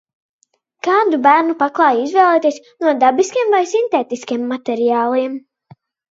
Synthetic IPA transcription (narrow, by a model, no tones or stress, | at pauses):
kaːd̪ubæɾnupaklˠɑːjizvɛːlˠɛːt̪iɛs | nuɔd̪abiskiɛmvajsint̪eːt̪iskiɛmːat̪ɛɾijaːlˠiɛm